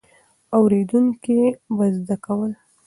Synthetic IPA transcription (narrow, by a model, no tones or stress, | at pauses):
awɾed̪uŋkibazd̪akawəl